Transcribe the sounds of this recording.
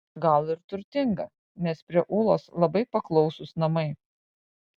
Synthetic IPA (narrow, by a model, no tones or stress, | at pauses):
ɡɐlˠɪɾt̪ʊɾʲt̪ʲɪŋɡɐ | nʲɛspʲɾʲiɛʔuːlˠoːslˠɐbɐɪpɐklˠɒʊsʊsnɐmɐɪ